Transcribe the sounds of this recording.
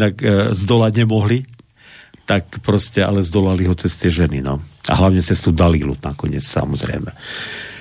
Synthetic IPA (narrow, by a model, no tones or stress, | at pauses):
nakzd̪ɔlaɟɲɛmɔɦli | t̪akpɾɔscɛa̰lɛzd̪ɔlaliɦɔt͡sɛst̪ɪɛʒɛninɔa̰ɦlaʊɲɛt͡sɛst̪ud̪alilṵnakɔɲɪɛt͡ssa̰mɔzɾɛ̰jmɛ